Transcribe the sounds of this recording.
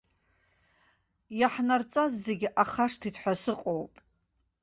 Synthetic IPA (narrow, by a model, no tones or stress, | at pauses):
jaħnart͡sʼazːeɡʲiʔaχaʂtʰitʰħʷasɨqʼowpʼ